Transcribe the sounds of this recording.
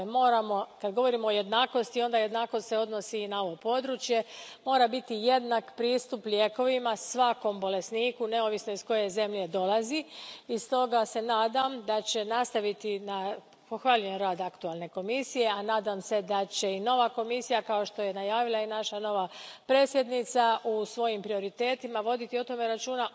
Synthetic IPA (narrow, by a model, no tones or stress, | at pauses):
mo̞ːɾamo̞kad̪ɡo̞ʋo̞ɾimooje̞d̪naːko̞st̪io̞nd̪aje̞d̪naːko̞st̪seo̞d̪no̞siːnao̞ʋo̞po̞d̪ɾut͡ʃje̞mo̞ːɾabit̪ije̞d̪nakpɾiːst̪upʎʲeːko̞ʋimasʋako̞mbo̞le̞sniːkune̞oʋisnoisko̞je̞ze̞mʎe̞d̪o̞laziist̪o̞ɡase̞naːd̪amd̪at͡ɕe̞nast̪aʋit̪ina | poxʋaʎujenɾaːd̪akt̪ualˠne̞ko̞misije̞anaːd̪amse̞d̪at͡ɕe̞ino̞ʋako̞misijakao̞ʃt̪o̞je̞najaːʋilˠainaʃano̞ʋapɾe̞ːsje̞d̪nit̪saʔusʋo̞jimpɾio̞ɾit̪e̞ːt̪imaʋo̞d̪it̪iot̪o̞me̞ɾat͡ʃuːna